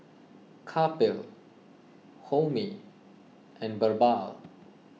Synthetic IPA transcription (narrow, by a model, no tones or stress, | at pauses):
kʰapɪl | homi | ʔɛ̃nbəɹbal